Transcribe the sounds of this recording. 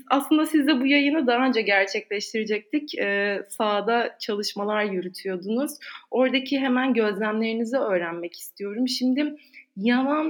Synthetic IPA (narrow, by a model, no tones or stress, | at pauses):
aslˠɯnd̪asizd̪ɛbujajɯnɯd̪aːø̞nd͡ʒaɟæɾt͡ʃʰɛclʲɛʃt̪ʰiɾed͡ʒɛc̚t̪ʰicɛːsaːd̪at͡ʃʰalˠɯʃmalˠaɾjyɾyt̪ʰyjo̞d̪unuz̥o̞ɾd̪acʰiɦe̞mænɟø̞zlʲæmlʲe̞ɾinizɛø̞ːɾænmɛci̥st̪ʰijo̞ɾumʃimd̪ɪjavan